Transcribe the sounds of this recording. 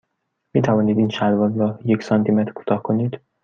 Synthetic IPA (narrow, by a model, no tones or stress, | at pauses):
miːt̪ʰævɒːniːd̪iːnʃæd̪vɒzɾɒjecʰsɒnt̪ʰimet̪ɾkʰu̥ːt̪ʰɒːhkʰo̞niːd̪̥